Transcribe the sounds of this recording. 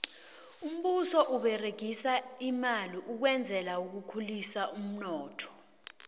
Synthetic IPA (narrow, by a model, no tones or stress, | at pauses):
um̩ɓusɔʔuɓɛreɡ̥ʱisaimaliʔuk̬wɛnd͡zʱɛlauk̬ukʰulisaum̩nɔːtʰɔ̥